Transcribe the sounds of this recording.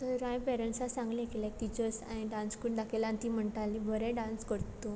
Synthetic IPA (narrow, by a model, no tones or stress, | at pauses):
t̪əɾɾãjpɛɾəɳʈsasãŋɡlɛ̃kelɛk̚t̪it͡ɕəsa̰niɖãnskuːʈd̪akʰelãnt̪im̤əɳʈ̪alːibʱəɾɛ̃ɖãnskəɾt̪o